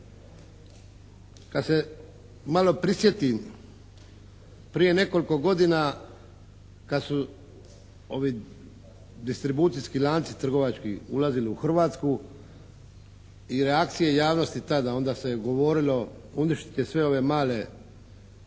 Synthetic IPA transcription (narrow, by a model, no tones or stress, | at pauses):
kad̪se̞ | malo̞pɾisje̞t̪i | pɾije̞ne̞ko̞liko̞ɡo̞d̪ina | kad̪su | o̞ʋi | d̪ist̪ɾibuːt̪sijskilaːnt̪sit̪r̩ɡo̞ʋat͡ʃkiṵlaziliuxr̩ʋaːt̪sku | iɾe̞akt̪sijejaːʋno̞st̪it̪ad̪ao̞nd̪aseɡo̞ʋo̞ɾilo̞uniʃt̪i̥t̪esʋe̞o̞ʋe̞maːle̞